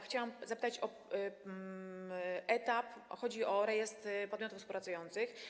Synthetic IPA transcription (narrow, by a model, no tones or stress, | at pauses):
xt͡ɕawamzapɘ̥t̪at͡ɕɔ | ʔɛt̪apxɔd͡ʑiɔɾɛjɛst̪ɾpɔd̪mʲɔt̪ufspuwpɾat̪sujɔnt̪sɘx